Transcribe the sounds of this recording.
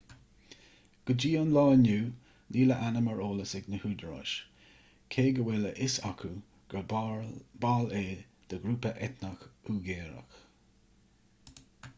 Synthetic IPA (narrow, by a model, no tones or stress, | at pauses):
ɡ̥əd͡ʒiːɑnlɑːnuː | niːləʔanəməɹoːləsɛɡnəhuːd̪əɹɔ̰ʃ | kʰeːɡəwɛləʔɪsakʰu | ɡ̥ə | baːleː | d̪̥əɡɾuːpəʔɛt̪nəxuːɡeːɾə̰x